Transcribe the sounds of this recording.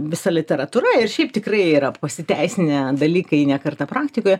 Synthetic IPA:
ʋʲɪsɐlʲɪt̪ʲɛɾɐt̪uːɾɐɪrʃʲɛɪpt̪ʲɪkrɐɪiːɾɐpɐsʲɪt̪ʲæɪsʲɪnʲɛd̪ɐlʲiːkɐiːnʲɛkɐrt̪ɐpɾɑːkt̪ʲɪkoːjɛ

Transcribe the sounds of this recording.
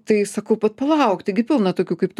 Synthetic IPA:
t̪ɐɪsɐkɐʊpɐt̪pɐlˠɐʊkt̪ɐɪɡʲɪpʲɪlˠnɐt̪oːkʲuːkɐɪpt̪

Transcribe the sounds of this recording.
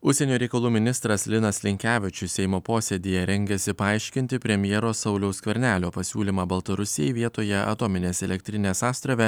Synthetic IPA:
ʊʃʲsʲɛnʲoːɾʲɛɪkɐlˠuːmʲɪnʲɪst̪ɾɐslʲɪnɐslʲɪŋʲkʲæːʋʲɪt͡ʃʲʊsʲɛɪmoːpoːsʲeːd̪ʲijɛɾʲɛŋʲɡʲɛsʲɪpɐɐɪʃʲkʲɪnʲt̪ʲɪpʲɾʲɛmʲjɛːɾoːsɐʊlʲɛʊskʋʲɛɾʲnʲæːlʲoːpɐsʲṵːlʲimɑːbɐlˠt̪ɐɾʊsʲɪjɛɪʋʲiɛt̪oːjɛʔɐ̰t̪oːmʲɪnʲeːsɛlʲɛk̚ʲt̪ʲɾʲɪnʲeːsɑːst̪ɾɐʋʲɛ

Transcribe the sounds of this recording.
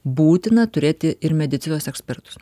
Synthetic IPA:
buːt̪ʲɪnɐt̪ʊɾʲeːt̪ʲɪɪɾmʲɛd̪ʲɪt̪sʲɪnoːsɛksʲpʲɛɾt̪ʊ̥s

